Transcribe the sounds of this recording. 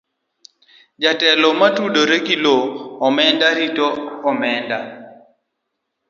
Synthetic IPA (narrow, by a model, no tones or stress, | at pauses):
d͡ʒatɛlɔmatudoɾekiloːmɛndaɾitɔɔmɛnda